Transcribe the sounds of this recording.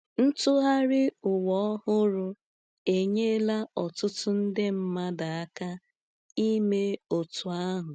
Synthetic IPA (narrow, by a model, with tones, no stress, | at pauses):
n̩˦tʊ˦ɦa˦ɾɪ˦ʊ˨wɔ˦hʊ˦ɾʊ˦ | e˨ɲe˦la˦ɔ˨tʊ˦tʊ˦n̩˦dɪ˦m̩˦ma˦da˨a˦ka˦ | i˦me˦o˨tʊ˨a˦ɦʊ˨